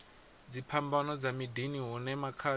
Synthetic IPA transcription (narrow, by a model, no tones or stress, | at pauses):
d͡zipʰambanɔd͡zamidiniɦɔnɛmakʰa